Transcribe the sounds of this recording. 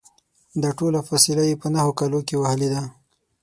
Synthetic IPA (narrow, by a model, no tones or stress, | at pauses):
d̪aʈolafasilajepənaɦokalokewahəled̪a